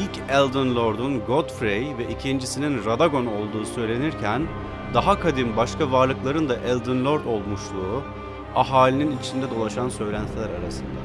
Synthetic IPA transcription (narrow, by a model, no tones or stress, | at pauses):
ilʲcʰɛlʲˠd̪ɯnlʲˠo̞ɾd̪unɡo̞t̪fɾejvɛʔicʰind͡ʒisininɾad̪aɡo̞no̞lˠd̪uːsø̞jlʲe̞niɾcʰæn | d̪aɦakʰad̪imbaʃkʰavaɾlˠɯklˠaɾɯnd̪aʔɛlʲˠd̪ɯnlʲˠo̞ɾd̪o̞lˠmuʃlˠuː | aɦaːlʲininit͡ʃʰind̪ɛd̪o̞lˠaʃansø̞jlʲænt̪ilʲæɾaɾasɯnd̪a̰